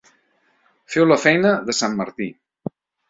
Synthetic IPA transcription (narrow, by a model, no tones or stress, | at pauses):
fɛwləfɛjnəðəsamːə̰ɾt̪i